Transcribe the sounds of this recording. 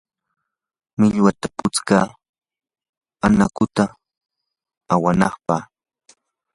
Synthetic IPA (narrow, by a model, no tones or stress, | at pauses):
mɪʎwat̪apʊt͡skaː | anakʊt̪a | awanɑχpɑ